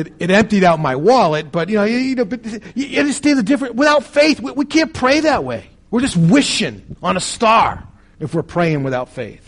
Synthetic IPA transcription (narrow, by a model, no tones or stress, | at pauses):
ɨɾɨɾɛ̃mp̚tiɾaʊt̚maɪwɑlˠət̚b̥ʌt̚jɨnoʊjɨnoʊbʌt̚jɨɨstẽɪnðɨdɪfɹɨ̃nwəθaʊtfeɪθwiwikʰæ̃npʰɹ̥eɪðɨt̚wḛɪ | wɨɹd͡ʒʌst̚wɪʃɪ̃ŋə̃nəstɑɹ | ɨfwɨɹpʰɹ̥eɪɪ̃ŋwɨθaʊtfeɪθ